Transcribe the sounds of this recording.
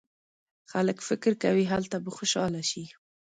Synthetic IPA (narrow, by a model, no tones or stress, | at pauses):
xaləkfɪkɾkawiɦalt̪abəxoʃɑlaʃi